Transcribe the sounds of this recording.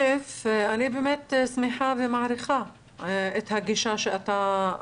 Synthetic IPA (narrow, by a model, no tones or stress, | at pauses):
ɪfʔanibɪmeːt̪smɪħabimaʕɾɪxa | ʔɪt̪haɡːiʃaʃiʔat̪a